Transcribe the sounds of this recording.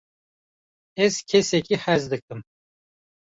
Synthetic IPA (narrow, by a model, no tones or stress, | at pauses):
ɛzcʰesɛkʰihæzd̪ɨk̚k̚ɨm